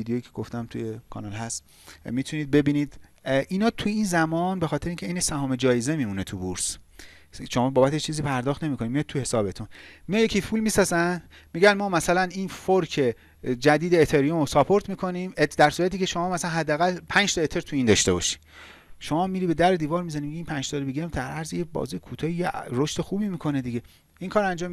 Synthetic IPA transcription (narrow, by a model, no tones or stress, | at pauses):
id̪ejojicʰeɡoft̪æmt̪ʰṵjekʰɒ̰nɒlɦæst̪ | miːt̪ʰuniːd̪̚be̞biːniːd̪ | ʔiːnɒːt̪ʰujiːnzæmɒːnbe̞xɒːt̪eɾeiŋkcʰeiːnesæhɒːme̞d͡ʒɒːjeze̞miːmune̞t̪ʰubuɾs | ʃo̞mɒːbɒːbæt̪ʰet͡ʃʰiːziːpʰæɾd̪ɒːχt̪ne̞mikʰo̞nid̪mijɒjd̪̚t̪ʰuhe̞sɒːbe̞t̪ʰunmijjecʰifulmisɒːzæn | miɟænmɒːmæsælæniːnfoɾcʰe̞ | d͡ʒæd̪iːd̪eːt̪ʰeɾijomosɒpʰo̞ɾt̪miːkʰo̞nimed̪æɾsuːɾæt̪iːcʰe̞ʃo̞mɒːmæsælænɦæd̪ːeæɣælpʰænd͡ʒt̪ɒet̪ʰe̞ɾt̪ʰuiːnd̪ɒʃt̪e̞bɒ̰ʃi̥ | ʃo̞mɒːmiːɾiːbe̞d̪æɾed̪iːvɒɾmizænimiɟiiːnpʰænd͡ʒt̪ʰɒɾebiɡemd̪æɾʔæɾzijebɒ̰zijekʰut̪ʰɒːijeɾo̞ʃt̪exuːbiːmiːkʰo̞ned̪iɡe̞ | iŋkʰɒːɾænd͡ʒɒːm